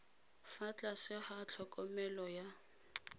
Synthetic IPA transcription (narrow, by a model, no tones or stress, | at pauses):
fat͡ɬʼasɪhat͡ɬʰɔkʼɔmɛlɔja